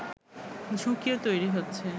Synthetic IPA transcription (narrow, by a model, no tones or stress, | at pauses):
d͡ʑʱukijot̪ojɾiɦotːɕʰe